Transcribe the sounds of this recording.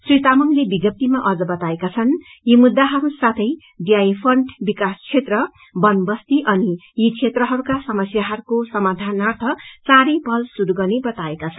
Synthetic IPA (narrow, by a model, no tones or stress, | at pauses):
srit̪amʌmlebiɡʌp̚t̪imaʔʌd͡zʌbʌt̪aekat͡sʰʌn | jimud̪ːaɦʌɾusat̪ʰʌj | d̪jajipʰʌɳʈbikast͡sʰet̪rʌ | bʌnbʌst̪iʔʌnijit͡sʰet̪rʌɦʌɾukasʌmʌsjaɦʌɾukosʌmad̪ʱanart̪ʰʌt͡sãɾepʌlsuɾuɡʌnebʌt̪aekat͡sʰʌ̥n